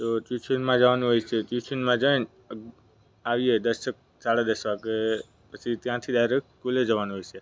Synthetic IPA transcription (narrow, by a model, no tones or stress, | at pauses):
t̪ot͡ʃjut͡ʃʰənmãd͡ʒəʋanũɦojt͡ʃʰet͡ʃjut͡ʃʰənmãd͡ʒən | aʋied̪əʃək̚ | saɽad̪əʃʋake | pət͡ʃʰit̪jãt̪ʰid̪aiɾek̚kuled͡ʒəʋanũɦojt͡ʃʰe